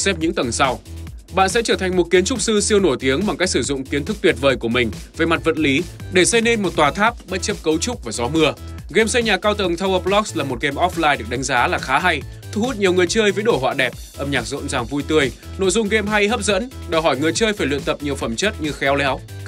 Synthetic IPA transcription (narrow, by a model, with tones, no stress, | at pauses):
sɛ˦˥p̚ɲɨ̰˧˥ŋt̪ə˨˩ŋsa˧wɓa̰ː˧˨nsɛ̰˧˥t͡ɕəː˧˩t̪ʰa˨˩ŋ̟mo˨˩t̚ki˨˦ənt͡ɕʊ˦˥k͡p̚sɨ˧si˧əwno˧˩jt̪i˨˦əŋɓa˨˩ŋka˦˥k̚sɨ˧˩zʊ̰˧˨ŋ͡mki˨˦ənt̪ʰɨ˦˥k̚t̪wt̚vəː˨˩jku˧˩əmï˨˩ŋ̟ve˨˩ma˨˩t̚və̰˨t̚li˨˦ɗe˧˩sə˧jne˧nmo˨˩t̚t̪waː˨˩t̪ʰaː˦˥p̚ɓə˦˥t̚t͡ɕə˦˥p̚kə˨˦wt͡ɕʊ˦˥k͡p̚vaː˨˩zɔ˨˦mɨ˧ə | ɣe˧msə˧jɲaː˨˩kaː˧wt̪ə˨˩ŋt̪ʰa˧wʔə˧p̚lɔ˦˥kslaː˨˩mo˨˩t̚ɣe˧mʔɔ˦˥flaː˧jɗɨ˨˩ək̚ɗa˨˦ŋzaː˨˦laː˨˩xaː˨˦ɦa˧j | t̪ʰu˧hu˦˥t̚ɲi˨˩əwŋɨ˨˩əjt͡ɕəː˧jvəː˨˦jɗo˧˩ɦwa̰ː˧˨ɗɛ˨˩p̚ʔə˧mɲaː˨˩k̚zo̰˧˨nzaː˨˩ŋvu˧jt̪ɨ˧əj | no̰˧˨jzʊ˧ŋ͡mɣe˧mɦa˧jɦə˦˥p̚zə̰˧˥nɗəː˨˩ɦɔ˧˩jŋɨ˨˩əjt͡ɕəː˧jfaː˧˩jlw̰ḭ˧˨nt̪ə˨˩p̚ɲi˨˩əwfə˧˩mt͡ɕə˦˥t̚ɲɨ˧xɛ˨˦wlɛ˨˦w